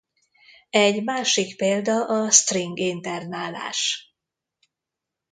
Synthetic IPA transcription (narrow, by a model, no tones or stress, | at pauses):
ɛɟmaːʃikpeːld̪ɒʔɒst̪riŋɡint̪ɛrnaːla̰ːʃ